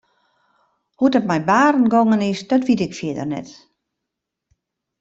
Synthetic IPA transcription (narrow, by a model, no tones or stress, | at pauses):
hudɔt̚mɛjbaːrn̩ɡoŋənɪsdɔtʋitɪkfjɪədə̰rnɛ̰t